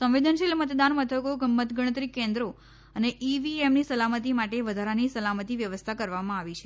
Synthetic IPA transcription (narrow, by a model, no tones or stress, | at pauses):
sə̃ʋʋid̪ʱənʃilmət̪d̪anmət̪ʰəkoɡəmːət̪ɡəɽ̃ət̪ɾikːẽnd̪ɾo | əneʔiʋiemnisəlamət̪̬imaʈeʋəd̪ʱaɾanisəlamət̪iʋjəʋəst̪ʰakəɾʋamãaʋit͡ʃʰe